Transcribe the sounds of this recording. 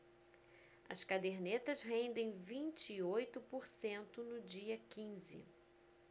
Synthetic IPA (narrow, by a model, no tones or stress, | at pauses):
ɐ̰skad̪eɾnet̪ɐzɦẽnd̪ẽj̃vĩnt͡ʃɪːojt̪ʊpoɾsẽnt̪ʊnʊd͡ʒiɐkĩzɪ̰